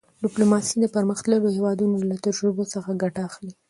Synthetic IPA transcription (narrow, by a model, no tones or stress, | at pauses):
ɖɪplomɑsid̪əpəɾməxt̪laɽohewɑd̪unolat̪ad͡ʒɾɪbosəxaɡaʈaːxli